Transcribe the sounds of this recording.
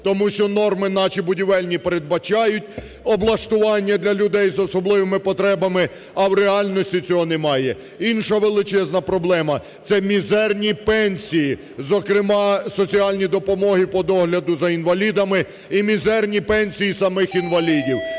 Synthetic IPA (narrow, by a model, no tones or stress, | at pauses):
t̪ɔmuʃt͡ʃɔnɔrmɪnɑt͡ʃibʊdʲiʋɛlʲnʲipeɾe̞d̪̚bɐt͡ʃɑjʊtʲ | ɔblˠɐʃt̪ʊʋɑnʲːɐd̪lʲɐlʲʊd̪ɛjzɔsɔblˠɪʋemɪpɔt̪ɾɛbɐmɪ | ɐwɾeɑlʲnɔsʲtʲit͡sʲɔɦɔnemɑjɛ | inʃɐʋelˠɪt͡ʃɛznɐpɾɔblˠɛmɐ | t̪sɛmʲizɛrnʲipɛnʲsʲiji | zɔkɾɪmɑsɔt͡sʲiɑlʲnʲid̪ɔpɔmɔɦipɔd̪ɔɦlʲɐd̪ʊzɐinʋɐlʲid̪ɐmɪ | imʲizɛrnʲipɛnʲsʲijisɐmɪxinʋɐlʲidʲiw